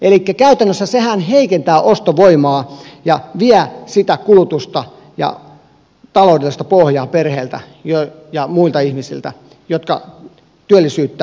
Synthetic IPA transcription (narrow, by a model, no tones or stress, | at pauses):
elikːækæyt̪ænːøsːæsehænheikent̪æːʔost̪oʋoimɑːjɑʋiæsit̪ækulut̪ust̪ɑ | jɑ̰ | t̪ɑloˑudelːist̪ɑpohjɑːperheːlt̪æ̰ | jo | jɑmuilt̪ɑihmisḭlt̪æ̰ | jot̪̚kɑ̰ | t̪yælːisyːt̪ːæː